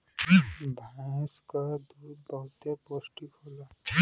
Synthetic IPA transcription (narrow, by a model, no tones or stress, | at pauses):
bʱaskad̪ud̪̚bəut̪eposʈikola